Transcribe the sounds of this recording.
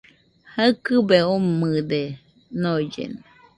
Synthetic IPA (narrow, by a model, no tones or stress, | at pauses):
haɨkɨbeomɨd̪e | noid͡ʒḛna